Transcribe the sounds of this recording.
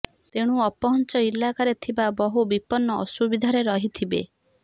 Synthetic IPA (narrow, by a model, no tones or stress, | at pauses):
t̪eɽ̃uɔpɔɦɔnt͡ʃɔilakaɾet̪ʰibabɔɦubipɔnːɔːsubid̪ʱaɾeɾɔɦit̪ʰibḛ